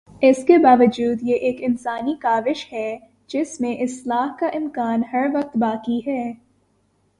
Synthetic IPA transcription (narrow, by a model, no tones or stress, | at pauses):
ɪskebaːʋəd͡ʒuːd̪jeʔeːkɪnsaːnikaːʋɪʃhɛː | d͡ʒɪsmẽʔɪslaːɦkaʔɪ̃mkaːnhɐɾʋɐq̚t̪baːkiɦɛː